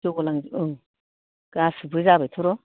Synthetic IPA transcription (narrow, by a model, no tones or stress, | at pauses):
oɡolaŋzɯŋ | kasɨbɯzabat̪ʰuɾo